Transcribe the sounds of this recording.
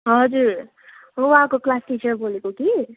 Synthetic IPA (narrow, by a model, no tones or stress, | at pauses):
ɦʌd͡zuɾ | ɦowakoklasʈit͡ʃʌrbolekoki